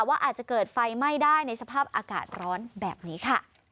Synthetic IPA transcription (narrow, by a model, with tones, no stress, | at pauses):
waː˥˩ʔaː˨˩t͡ɕa˨˩kɤː˨˩t̪̚fa˧jma˥˩jdaː˥˩jna˧jsa˧pʰaː˥˩p̚ʔaː˧ka̰ː˨˩t̪̚ɾɔː˦˥nbɛ̰ː˨˩p̚niː˦˥kʰa˥˩